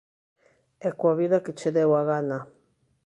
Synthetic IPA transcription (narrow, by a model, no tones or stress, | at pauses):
ekwaβiðaket͡ʃeðewaɣana